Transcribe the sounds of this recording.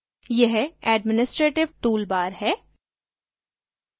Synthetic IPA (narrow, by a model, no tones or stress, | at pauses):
jɛɦɛːɖmɪnɪsʈɾeːʈɪʋʈuːlbaːɾɦɛː